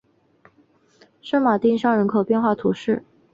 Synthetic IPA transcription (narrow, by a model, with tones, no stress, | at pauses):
ʂɤ˥nma˨˩t̪i˥˧ŋ˥ʂɑ˥˩ŋɻə˧˥nkʰo˨˩pjɛ˥˧nxwa˥˩t̪ʰu˧˥ʂɻ̩˥˩